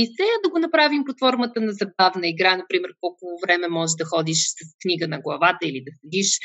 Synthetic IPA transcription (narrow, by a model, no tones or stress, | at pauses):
isɛd̪ɐɡonɐpɾavimpot̪fɔɾmət̪ənɐzɐb̚avnəiɡɾanɐpɾimɛɾkɔlˠkʊvovɾɛmɛmɔʒɛd̪ɐxɔd̪iʃsɐskniɡənɐɡlˠɐvat̪əilid̪ɐsɛd̪iʃ